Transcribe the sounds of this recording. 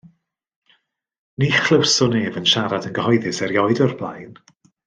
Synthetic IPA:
niːχl̥ˠəwsʊneːvənʃaɾadənɡəhɔjðɨsɛɾjɔɨdɔrblˠa̰jn

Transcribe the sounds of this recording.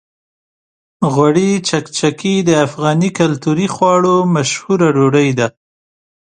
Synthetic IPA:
ɣwaɽit͡ʃakt͡ʃakid̪əafɣɑnikalt̪uɾixwɑɽomaʃhuɾaɖoɽəjd̪a

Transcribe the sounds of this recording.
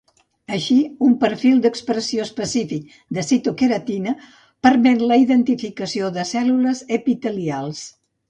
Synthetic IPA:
əʃiumpəɾfilˠd̪əkspɾəsioəspəsifik̚ | d̪əsit̪ukeɾət̪inə | pəɾmɛt̪ləiðənt̪ifikəsioðəsɛluləzəpit̪əlialˠs

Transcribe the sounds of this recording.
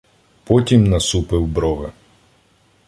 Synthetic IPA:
pɔtʲimnɐsupɪwbɾɔʋɪ̰

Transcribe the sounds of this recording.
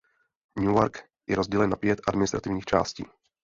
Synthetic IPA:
ɲuoɾk | jɛɾozɟɛlɛnːapjɛt̪ʔadmɪnɪst̪ɾat̪ɪvɲiːxt͡ʃa̰ːscḭː

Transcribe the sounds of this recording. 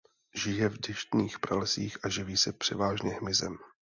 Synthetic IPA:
ʒɪjɛvdɪʃt̪niːxpɾalɛsiːxʔaʒɪviːsɛpr̝̥ɛvaːʒɲɛɦmɪzɛm

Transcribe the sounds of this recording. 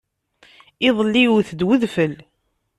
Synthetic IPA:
ɪðˤəlːiwθəd̪wəðfəl

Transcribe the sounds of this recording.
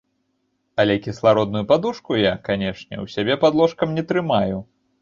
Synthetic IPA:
ɐlʲɛkʲislˠaɾɔd̪nʊjupad̪uʂkujakanʲɛʂnʲɛ̰wsʲabʲɛpad̪lˠɔʂkɐmnʲɛt̪ɾɨmaju

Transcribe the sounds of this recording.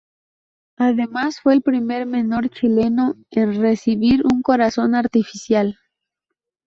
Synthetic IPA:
aðe̞masfwe̞ːlpɾime̞ɾmẽ̞no̞ɾt͡ʃile̞no̞enre̞siβiɾuŋko̞ɾaso̞naɾt̪ifisjal

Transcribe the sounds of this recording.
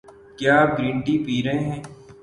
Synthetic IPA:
kjaːɡɾĩːɳʈipiːɾẽɦɛ̃ː

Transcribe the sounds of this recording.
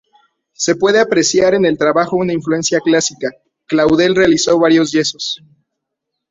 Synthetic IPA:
se̞pwe̞ðe̞apɾe̞sjaɾe̞ne̞lt̪ɾaβaxo̞unaiɱflue̞nsjaklasika | klawðe̞lre̞aliso̞βaɾjo̞zʝe̞so̞s

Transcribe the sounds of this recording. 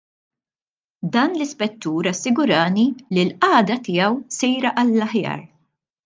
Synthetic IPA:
d̪ɐːnlɪspɛt̪ːuːɾɐsːɪɡʊɾɐːnililʔɐːd̪ɐt̪ɪjɐwsɛjɾɐʔɐlːɐħjɐ̰ːɾ

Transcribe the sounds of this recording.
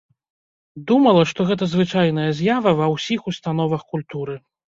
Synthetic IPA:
d̪umɐlˠɐʂt̪ɔɣɛt̪̬ɐzvɨt͡ʂajn̪ɐjɐzʲjavɐvɐwsʲixust̪anɔvɐxkulʲt̪uɾɨ

